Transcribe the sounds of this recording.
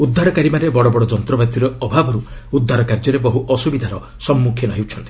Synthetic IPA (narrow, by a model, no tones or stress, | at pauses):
ud̪ʱːaɾɔkaɾimanebɔɽɔbɔɽɔd͡ʒɔnt̪ɾɔbat̪iɾɔɔbʱabʱɔɾuud̪ʱːaɾɔkaɾd͡ʒɔɾebɔɦuʔɔsubid̪ʱaɾɔ | sɔmːukʰjinɔɦiwt͡ʃʰɔnt̪i̥